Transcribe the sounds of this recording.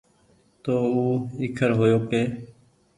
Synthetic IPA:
t̪oːuːɪːkʰəɾɦoːjoːkeː

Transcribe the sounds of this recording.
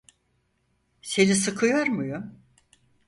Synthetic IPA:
se̞nisɯkʰɯjoɾmujum

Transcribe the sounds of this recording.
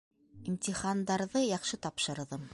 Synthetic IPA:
imt̪ʲiχand̪ɑɾðɤjɑχʃɤt̪ɑpʃɤ̆ɾðɤ

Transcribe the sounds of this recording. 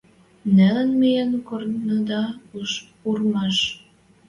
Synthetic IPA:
nælənmejenkornəd̪ɑuʃ | urmɑʃ

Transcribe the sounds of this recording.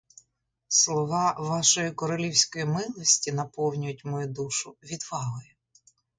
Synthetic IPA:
slˠɔʋɑʋɑʃɔjikɔɾɐlʲiwsʲkɔjimɪlˠɔsʲtʲinɐpɔwnʲʊjʊtʲmɔjud̪uʃʊʋʲid̪ʋɑɦɔjɛ

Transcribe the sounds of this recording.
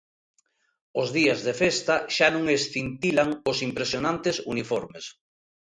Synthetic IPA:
ozðiazðefest̪aʃanũŋesθint̪ilaŋʊsimpɾesjonãnt̪esunifɔɾmes

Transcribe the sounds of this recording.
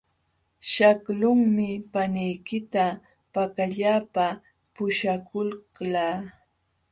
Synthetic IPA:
ʃaklʊŋmɪpanɪjkɪt̪a | pakaʎaːpa | pʊʃakʊlklaː

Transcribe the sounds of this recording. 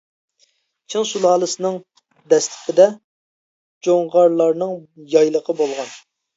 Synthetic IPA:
t͡ʃʰɪŋsulˠɑːlˠɨsɨnɨŋ | d̪ɛst̪ʰɪ̥pʰɪd̪ɛ | d͡ʒoŋʁɑɾlˠɑɾnɨŋjɑjlˠəqʰəbolˠʁɑn

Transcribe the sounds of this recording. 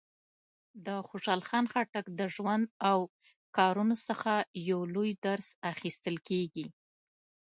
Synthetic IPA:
d̪əxoʃɑlxɑnxaʈakd̪əʒwand̪aw | kɑɾunosəxajawlojd̪aɾsaxist̪əlkeɡi

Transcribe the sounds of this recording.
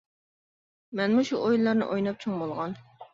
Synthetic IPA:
mɛnmuʃuʔojllˠɑɾnɨ̰ʔojnɑp̚t͡ʃʰoŋbolˠʁɑn

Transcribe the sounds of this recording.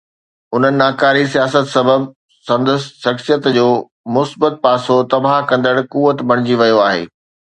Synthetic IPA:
ʊn̤ənɪ̆naːkaːɾisijaːsət̪sɐbəb | sɐ̃nd̪əsʃɐksijət̪d͡ʑoː | mʊsbət̪̚paːsot̪ɐbaːɦkɐ̃nd̪əɽkuːʋət̪bʱɐɽ̃ɪd͡ʑiʋɐjoaːɦḛː

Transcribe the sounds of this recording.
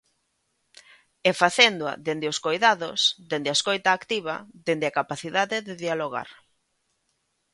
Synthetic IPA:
efaθend̪oa̰ðend̪eʊskojðaðosd̪end̪ɪaskojt̪aːkt̪iβɐ̰ðend̪ɪakapaθiðaðɪðeðialoɣa̰ɾ

